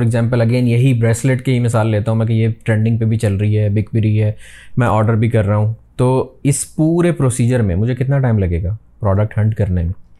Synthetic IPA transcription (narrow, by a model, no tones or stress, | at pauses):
ɾɪɡzɛ̃ːmpəlɐɡeːnjɐɦibɾɛːsleʈkeɦimɪsaːlːeːt̪aɦũmɛ̃k̬ejeʈɾẽːɳɖɪ̃ŋɡ̚pebʱit͡ʃɐlɾɐiɦɛːbɪkbɪɾiɦɛːmɛ̃ʔɔːɾɖəɾbʱikɐɾːaɦũːt̪oːɪspuːɾepɾoːsiːd͡ʒəɾmẽmʊd͡ʒʱekɪt̪naʈaːɪmlɐɡeːɡaː | pɾɔːɖək̚ʈhɐ̃ɳʈkɐɾnemẽː